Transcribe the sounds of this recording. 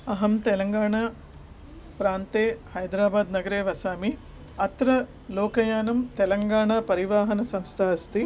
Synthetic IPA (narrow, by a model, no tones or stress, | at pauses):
ɐɦɐmt̪ɛlɐŋɡaːɳaː | pɾaːnt̪eːhɐjd̪ɾaːbaːd̪nɐɡɐɾeːʋɐsaːmi | ɐt̪ɾɐ | lɔːkɐjaːnɐmt̪ɛlɐŋɡaːɳaːpɐɾiʋaːɦɐnɐsɐmst̪ʰaːɐst̪i